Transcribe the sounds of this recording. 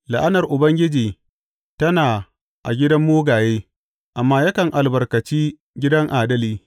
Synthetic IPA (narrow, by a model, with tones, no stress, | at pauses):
la̰˨ʔa˦nɐ˨rʔʊ˨bɐ˦ŋɡʲɪ˦d͡ʒiː˨ | tɐ˦naː˨ | ʔa̰˨ɡʲɪ˦dɐ˦mːoː˦ɡaː˨jeː˦ | ʔa˨mːaː˦jɐ˦kɐ˨ŋʔa˨lbɐ˨rkɐ˨t͡ʃiː˦ | ɡʲɪ˦dɐ˦ŋʔaː˨dɐ˦liː˦